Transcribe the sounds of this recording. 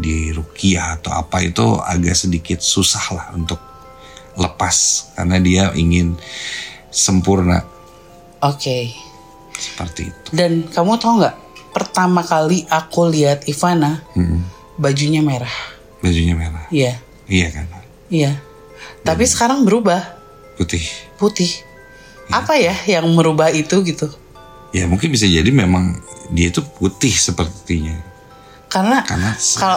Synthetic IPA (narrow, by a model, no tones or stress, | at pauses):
diɾukiaːt̪awa̰pait̪ṵa̰ɡaʔsədikɪt̪̚susahlahunt̪ʊk̚ | ləpaska̰rnadiaʔḭŋɪn | səmpurna̰ | oke | sə̥pərt̪iːt̪u̥dankamut̪auŋɡaʔ | pərt̪amakaliʔakuliat̪̚ifanahm̩ | bad͡ʒuɲameɾah | bad͡ʒuɲameɾahja | ijakan | ija | t̪apisə̥kaɾaŋbəɾubah | put̪ɪhput̪ɪh | apajajaŋməɾubahit̪uɡit̪u | ja̰muŋkɪnbis̬ad͡ʒadimemaŋdiait̪uput̪ɪhsəpərt̪iɲa̰ | karnaka̰rnasə̥kal